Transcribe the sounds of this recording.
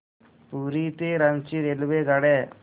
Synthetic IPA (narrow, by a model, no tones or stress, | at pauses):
puɾit̪eɾɐnt͡ʃiɾeluʋeɡɐɽe